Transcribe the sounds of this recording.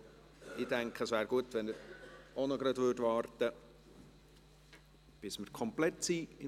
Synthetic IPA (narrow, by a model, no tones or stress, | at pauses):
ʔid̥æŋkχəsvæːɾɡuət̪ʋɛnəɾonɔɡɾɑd̪vʏːdʋɑːrt̪ə | b̥ɪsməɾkʰɔmplɛt̪siːɪ